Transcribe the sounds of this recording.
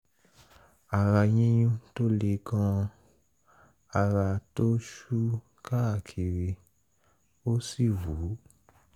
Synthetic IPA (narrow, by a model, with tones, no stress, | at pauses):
a˨ɾa˧jĩ˦j̃ũ˦to˦le˧˦kã˧ | a˧ɾa˧to˦ʃu˦ | ka˦a˨kʰi˨ɾe˧ | o˦si˦˨wu˨˦